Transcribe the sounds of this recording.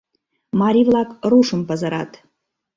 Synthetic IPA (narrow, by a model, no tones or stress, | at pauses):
mɑɾʲivlɑkruʃə̆mpə̆zəɾɑ̰t̪